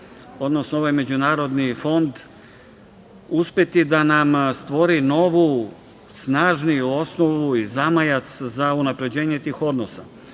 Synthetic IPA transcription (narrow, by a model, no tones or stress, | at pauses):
o̞d̪no̞snooʋajme̞d͡ʑunaːɾo̞d̪nifo̞nd̪ | uspe̞t̪id̪anamst̪ʋo̞ɾino̞ʋu | snaːʒnijuo̞sno̞ʋuizamajat̪szaunapɾe̞d͡ʑe̞ːɲe̞t̪iːxo̞d̪nosa